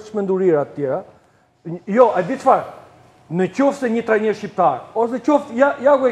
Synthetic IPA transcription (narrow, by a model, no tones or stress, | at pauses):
t͡ʃmɛnd̪uɾiɾat̪ət̪jɛɾa | jɔad̪it̪faɾ | nət͡ɕɔfsɛɲət̪ɾaɲəʃcip̚t̪aɾɔs̬ɛt͡ɕɔfjajaɡwɛ